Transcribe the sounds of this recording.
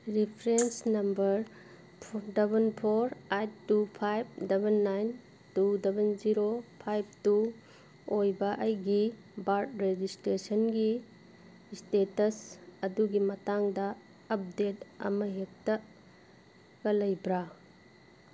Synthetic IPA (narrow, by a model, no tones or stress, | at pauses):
ɾipʰɾensnɐmbɐɾ | dɐbɐnpʰoɾajt̚tupʰajb̚dɐbʱɐnːajn | tudɐbɐnziɾopʰajb̚ʰtu | ojbɐʔɐjɡi | baɾt̚ɾed͡ʒistɾesɐnɡi | stetɐsɐduɡimɐtaŋdɐː | p̚detɐ̰mɐɦek̚tɐ | kɐlɐjbɾa